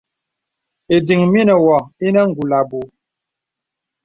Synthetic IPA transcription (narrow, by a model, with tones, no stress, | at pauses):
e˨di˨ŋmi˦nə˨wɔ˨i˦nə˦ŋ˨ɡu˨la˨bu˨